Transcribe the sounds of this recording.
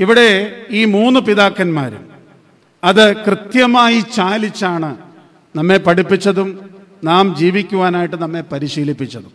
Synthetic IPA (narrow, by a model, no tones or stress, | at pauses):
iʋiɽe̞iːmuːnːɨpiðaːkːɐnmaːɾṵ | ɐðɨkrɨt̪jɐmaːjit͡ɕaːlit͡ɕːaːɳɨ | nɐmːe̞pɐɽipːit͡ɕːɐðum | naːmd͡ʑiːʋikʲːuʋaːnaːjiʈːɨnɐmːe̞pɐɾiɕiːlipːit͡ɕːɐðum